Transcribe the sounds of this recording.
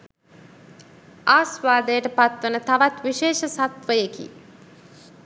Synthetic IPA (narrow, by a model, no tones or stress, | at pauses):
aːsʋaːd̪əjəʈəpat̪ʋənət̪aʋat̪ʋiʃeːʃəsat̪ʋəjekḭ